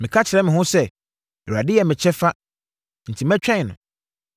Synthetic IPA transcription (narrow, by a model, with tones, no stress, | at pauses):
mɪ̃˨kʰa˦t͡ɕʰɪ˨ɾɛ˦mɪ̃˨ɦʊ̃˦sɛ˦ | ɛ˨ɾa˨dɪ˦jɛ˨mɪ̃˨t͡ɕʰɛ˦fa˦ | n̩˨tʰi˨mɛ̃˦t͡ɕᶣɛ̃˦˨nʊ̃˨